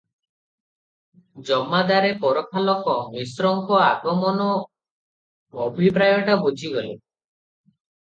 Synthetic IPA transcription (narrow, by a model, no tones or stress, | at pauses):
d͡ʒɔmːad̪aɾepɔɾɔkʰalɔkɔmisɾɔŋkɔaɡɔmɔnɔ | bʱipɾajɔʈabud͡ʒʱiɡɔlḛ